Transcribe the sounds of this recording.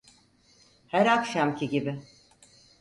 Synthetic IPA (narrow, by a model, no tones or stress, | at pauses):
hæɾakʃamcʰiɟibɪ